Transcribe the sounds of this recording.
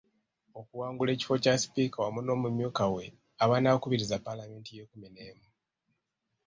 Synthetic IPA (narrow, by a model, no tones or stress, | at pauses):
o̞kuwaːŋɡule̞ːci̥fo̞casi̥piːkawamuno̞ːmumjuːkawe̞ | aβanaːkuβiɾizapalame̞ːntije̞kumineːmu